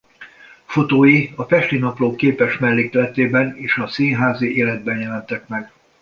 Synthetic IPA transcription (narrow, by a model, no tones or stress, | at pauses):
fo̞t̪oːjiɒfɛʃt̪inɒploːkːeːpɛʃmɛlːeːk̪ːlɛt̪eːbɛneːʃɒsiːnɦaːziʔeːlɛd̪̚bɛnjɛlɛnt̪ɛkmɛɡ